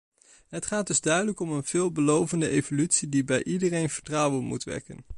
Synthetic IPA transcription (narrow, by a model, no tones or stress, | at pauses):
ɦətχaːdɵzdœɥdələkɔmənv̥ɪːlˠbəlowvəndəʔejvolytsidibɛjʔidərejnv̥əɹtrɑwənmṵtʋɛ̰ɹkə̰n